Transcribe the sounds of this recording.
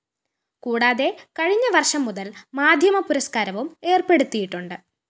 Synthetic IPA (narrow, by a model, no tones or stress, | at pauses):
kuːɽaːðe̞kɐɻiɲːɐʋɐrʂɐmːuðɐlmaːd̪ʱjɐmɐpuɾɐskaːɾɐʋume̞ːrpe̞ɽut̪ːijiʈːuɳɖɨ